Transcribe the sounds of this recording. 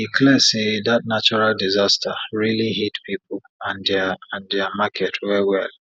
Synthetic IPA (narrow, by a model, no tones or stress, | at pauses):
ikʰlɛsedatnat͡ʃɔɹaldizastʰaɹiliɦitpʰipʊl | ãndɛaãndɛamakʰɛtʰwɛwɛl